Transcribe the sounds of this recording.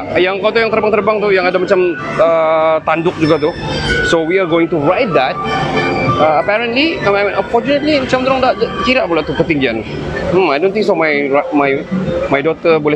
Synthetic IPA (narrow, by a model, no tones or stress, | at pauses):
jaŋkat̪ujaŋt̪ərbaŋt̪ərbaŋt̪ujaŋadamat͡ʃam | ət̪andʊk̚d͡ʒuɡat̪̬u | sowiaɡowɪŋt̪uɹajt̪̚d̪at̚ | əəpɛɾəntliəmaɛ̃nʔəfɔrt͡ʃunət̪limat͡ʃamd̪əɾaŋdaʔkiɾaʔpolaʔt̪ukət̪iŋɡian | m̩ajdõnt̪ɪŋs̬ɔmajamajmajdɔt̪əbolɛ